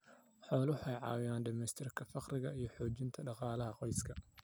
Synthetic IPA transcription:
ħɔːlʊħɛjʕɑ̰ːwɪjaːnɖɪmɛːst̪ʰɪrkʰɐfɑqrɪɣɐijɞħɔːt͡ʃɪnt̪ʰɐɖɑqɑːlɐɦɐqɔjskʰɐ

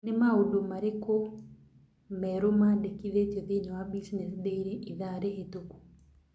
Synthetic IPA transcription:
nemaodomaɾeko | mɛɾomadekiðetjɔðeɲawabisinɛsdeiɾeʔiðaɾeɦetoku̥

